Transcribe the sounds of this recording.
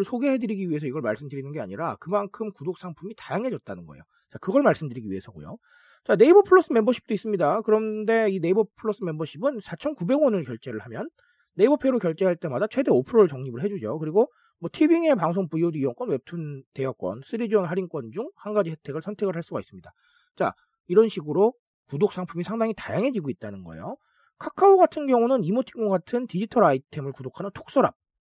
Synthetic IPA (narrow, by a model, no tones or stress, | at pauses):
ɭsʰoɡe̞ɦe̞dɯɾiɡiɥie̞sʰʌiɡʌɭmaɭs͈ɯmdɯɾinɯnɡea̰ɲiɾakɯmankʰɯmkudok̚s͈aŋpʰumitajaŋɦe̞d͡ʑʌt̚t͈anɯnɡʌejo | t͡ɕakɯɡʌɭmaɭs͈ɯmdɯɾiɡiɥiesʰʌɡo̰jo̰ | t͡ɕane̞ibʌpʰɯɭːʌs͈ɯmembʌɕʰi̥p̚t͈ois͈ɯmɲidakɯɾʌnde̞ine̞ibʌpʰɯɭːʌs͈ɯme̞mbʌɕʰibɯnsʰat͡ɕʰʌnkube̞ɡwʌnɯɭkjʌɭt͡ɕ͈e̞ɾɯɭhamjʌnː | e̞ibʌpʰe̞ɾokjʌɭt͡ɕ͈e̞ɦaɭt͈e̞madat͡ɕʰwe̞de̞opʰɯɾoɯɭt͡ɕʌŋɲibɯɭɦe̞d͡ʑud͡ʑokɯɾiɡo | mwʌtʰibiŋe̞paŋsʰoŋpuiodiiwʌŋk͈ʌnwe̞p̚tʰunte̞jʌk͈wʌ̰ns͈ʰɯɾid͡ʑʌnɦaɾink͈wʌnd͡ʑuŋhanɡad͡ʑisʰetʰe̞ɡɯɭsʰʌntʰe̞ɡɯɭɦaɭs͈uɡais͈ɯmɲida | t͡ɕa̰ | iɾʌnɕʰiɡɯɾo | kudok̚s͈aŋpʰumisʰaŋdaŋitajaŋɦe̞d͡ʑiɡoit̚t͈anɯnɡʌ̰ejo | kʰakʰaoɡatʰɯnɡjʌŋunɯnimotʰi̥kʌɡatʰɯntid͡ʑitʰʌɾaitʰe̞mɯɭkudokʰanɯntʰo̥k̚s͈ʌɾa̰p̚